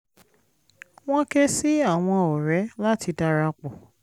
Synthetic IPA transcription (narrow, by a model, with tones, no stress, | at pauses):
w̃ɔ̃˦kɛ˦si˦a˦˨w̃ɔ̃˧o˨ɾɛ˨˦la˦ti˧da˧ɾa˧k͡po˨